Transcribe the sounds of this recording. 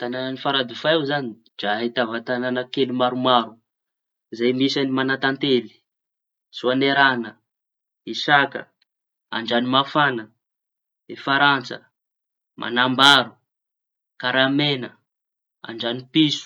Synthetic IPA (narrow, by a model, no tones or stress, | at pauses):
t̪anananifaɾad̪ufaewzani | d͡ʒait̪avat̪ananəkelumaɾumaɾu | izajmisanimanat̪ant̪eli̥ | suaneɾanə | isakə̰ | a̰ɳɖ͡ʐanimafanə | efaɾant͡sə̰ | mʔa̰nambaɾu | kaɾamenə | a̰ɳɖ͡ʐanipisu̥